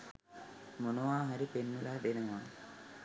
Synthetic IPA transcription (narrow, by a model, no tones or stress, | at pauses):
monəʋaːɦaɾipenːulaːbenəʋaː